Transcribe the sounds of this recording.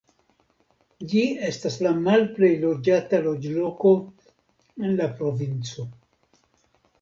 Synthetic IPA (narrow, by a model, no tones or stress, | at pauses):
d͡ʒie̞staslamalple̞jlo̞d͡ʒatalo̞d͡ʒlo̞ko̞ | e̞nlapɾo̞vint͡so̞